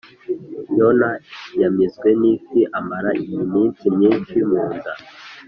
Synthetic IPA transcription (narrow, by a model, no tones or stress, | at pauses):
jonajamizɡwenisiʔamaɾaijimiːnt͡simɲiːnʃimuːnda